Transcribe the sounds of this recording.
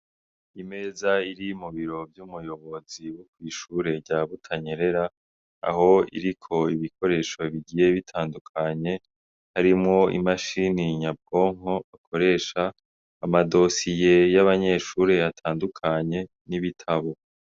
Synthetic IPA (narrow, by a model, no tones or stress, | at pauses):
ime̞zaiɾimuβiɾo̞bjumujo̞βo̞ziwukwiːʃuːɾe̞ɟaβutʰaɲeɾe̞ɾa | a̰ho̞ḭɾikʰo̞iβikʰo̞ɾe̞ːʃo̞βiɟiːje̞βitʰaːndukʰaɲe̞ | haɾimŋo̞ḭmaʃiniɲab̚ɡo̞ŋo̞akʰo̞ɾe̞ːʃaː | mado̞sijejaβaɲe̞ːʃuːɾe̞atʰaːndukʰaɲe̞ | niβitʰaβo̞